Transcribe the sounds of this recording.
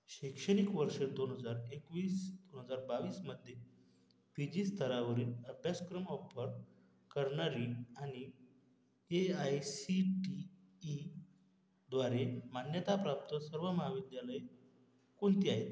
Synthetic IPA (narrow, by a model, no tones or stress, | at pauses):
ɕekʂəɽ̃ikʋəɾʂəd̪onɦəd͡zaɾekʋiːsd̪onɦəd͡zaɾbaʋiːsməd̪ʱːje | pid͡ʑiːst̪ʰəɾaʋəɾiːnəbʱjaskɾəmɔfəɾ | kəɾɳaɾiañi | eajsiʈiː | d̪ʋaɾemanjət̪apɾap̚t̪əsəɾʋəməɦaʋid̪jaləj | kont̪iːaɦet̪